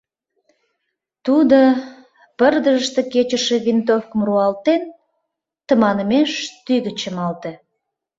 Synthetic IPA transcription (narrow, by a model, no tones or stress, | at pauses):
t̪ud̪o | pərd̪əʒəʃt̪eket͡ɕəʃeβint̪ofkəmruɑlt̪en | t̪ə̆mɑnəmeʃt̪yɣət͡ɕəmɑlt̪e